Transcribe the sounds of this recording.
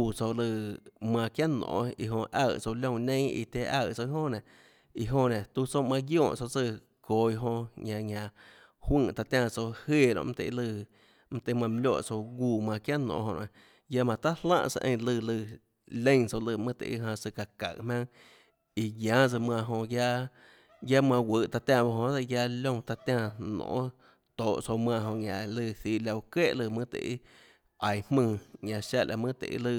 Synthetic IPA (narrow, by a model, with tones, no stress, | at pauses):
u˨t͡so˧˨lɨ˧˨mã˧˨kja˦nõ̰ː˨i˨ɦõ˧ʔa̰˧˨t͡so˧lʲõ˧˨nẽ˦ḭ˧t̪ʲe˧ʔa˧˨ʔt͡so˧˦ɦõ˦nẽ˨ | i˧ɦõ˧nẽ˨t̪u˦t͡sõ˦mã˧ɡjõː˦˧˨t͡so˧t͡sɨ˧˨ | ko˨i˧ɦõ˧ɲã˧ɲʲã˧ | hwɨ̃˦˧˨ʔt̪a˧t̪jã˧t͡so˧he˧˨ɾõ̰˧ʔm̩˦t̪ḛ˧˨˧lɨ˧˨ | m̩˦t̪e˧˨˧mã˧˨m˧lʲjo̰˧˨t͡so˧ɡuː˧˨mã˧˨kja˦nõ̰ː˨˧˨hõ˧ʔã˨ | ja˧mã˨t̪a˦llã̰ː˦˧ʔt͡sa̰˧ʔḛ̃˧˨˧lɨ˧lɨ˧˨ | lẽ˦ŋso˧lɨ˧˨mɨ̃˦t̪ḛ˧˨ʔi˦ɦã˧sɨ˧ka˧ka̰˨ʔmʲã˦ŋ | i˧jjãː˨˦t͡sɨ˧mã˧˨ɦõ˧ja˦ | ja˦mã˧wʷə˨ʔt̪a˧t̪jã˧˨ba˧hõ˧t͡sa˧ja˧lʲõ˧t̪a˧t̪jã˧nõ̰ː˧˨˦ | t̪oː˨ʔso˧mã˧˨ɦõ˧ɲʲã˨lɨ˧θi˧˨la˧u˧ke˦ʔlɨ˧˨mɨ̃˦t̪ḛ˧˨i˦ | a˨jhmɨ̃ː˧ɲã˨ʃa˧lʲʔa̰˧mɨ̃˦t̪ḛ˨ḭ˦lɨ˧˨